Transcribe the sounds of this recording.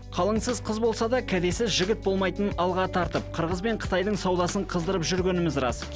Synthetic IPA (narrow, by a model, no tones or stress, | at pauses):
qʰɑlˠəɴsəzqʰəzbo̞lˠsɑd̪ɑkʲʰæd̪e̞sɪzʒɪɡʲɪt̪̚bo̞lˠmɑjt̪ənɑlˠʁɑt̪ʰɑɾt̪əp̚qʰəɾʁəzbe̞ɴqʰə̥t̪ɑjd̪əɴsɑwd̪ɑsəɴqʰəzd̪əɾəpʒʏɾɡʲe̞nɪmɪzrɑ̰s